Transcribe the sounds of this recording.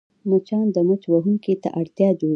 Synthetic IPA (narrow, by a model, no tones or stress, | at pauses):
mət͡ʃɑnd̪əmət͡ʃwaɦuŋket̪a̰ʔaɽt̪jɑd͡ʒo